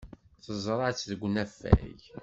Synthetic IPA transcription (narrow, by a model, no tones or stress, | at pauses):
θəzˤɾˤɑt͡sːðəɡʷːnæfːæ̰j